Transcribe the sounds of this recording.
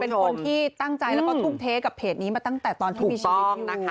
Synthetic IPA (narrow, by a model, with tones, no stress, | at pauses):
pe˧nkʰo˧nt̪ʰiː˥˩t̪a˥˩ŋt͡ɕa˧jlɛ˦˥wkɔː˥˩t̪ʰuː˥˩k̚t̪ʰeː˦˥ka˨˩pʰeː˨˩t̪̚niː˦maː˧t̪a˥˩ŋt̪ɛː˨˩t̪ɔː˧nt̪ʰiː˨˩miː˧˥˧na˦˥˦